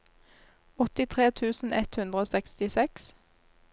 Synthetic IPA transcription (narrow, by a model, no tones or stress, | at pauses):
ɔt̪ɪt̪ʰʁeːt̪ʰʉːsn̩ɛt̪hʉnd̪ʁəoːsɛkst̪ɪsɛks